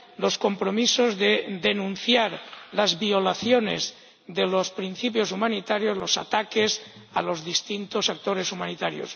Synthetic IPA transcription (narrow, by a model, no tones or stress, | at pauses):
lo̞sko̞mpɾo̞misozðed̪e̞nũn̟θjaɾlazβiolaθjone̞̰z | ðelospɾin̟θipjo̞sumãnit̪aɾjo̞zlo̞sa̰t̪akes | alo̞zðist̪int̪osak̚t̪o̞ɾe̞sumãnit̪aɾjo̰s